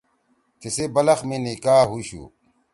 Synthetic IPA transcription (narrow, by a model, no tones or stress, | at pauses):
t͡ɕesebɐlɐxmenikaːɦuɕṵː